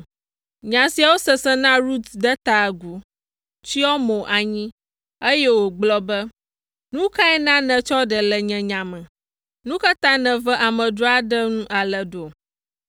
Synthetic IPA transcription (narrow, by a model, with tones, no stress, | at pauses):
ɲã˨si˨a˨wo˦sɛ˨sɛ˦nã˦ɾu˦t̪d̪ɛ˦t̪a˨ɡu˨ | t͡ʃi˦ɔ˦mõ˨ʔa˨ɲĩ˦ | e˦jɛ˦wo˨ɡ͡blɔ˦bə˦ | nũ˦ka˦ɛ˦nã˦nɛ̃˨t͡ʃɔ˦ɖɛ˨lɛ˨ɲɛ̃˨ɲã˨mɛ̃˨ | nũ˦ka˦t̪ã˦nɛ̃˨vɛ˦ʔa˨mə̃˨ɖo˦a˨ɖɛ˦ŋũ˦ʔa˨lə˨ɖo˨